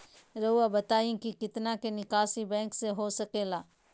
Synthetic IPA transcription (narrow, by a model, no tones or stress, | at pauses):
ɾɐuabɐt̪aːĩkikɪt̪nakenɪkaːsibɛ̃ːŋkseɦosɐkeːlaː